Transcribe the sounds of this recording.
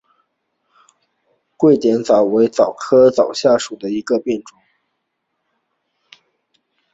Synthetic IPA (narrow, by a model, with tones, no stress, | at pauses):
kwe˥˩ɪt̪jɛ˧˥nt͡sɑ˨˩ʊwe˧˥ɪt͡sɑ˨˩ʊkʰɤ˥t͡sɑ˨˩ʊɕja˥˩ʂu˨˩d̪ə˦i˧˥ɡə˧pjɛ˥˩nʈ͡ʂʊ˧˥˦ŋ